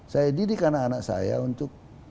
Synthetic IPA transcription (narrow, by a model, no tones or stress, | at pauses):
sajadidikanaːnaksa̰ja̰unt̪ʊk̚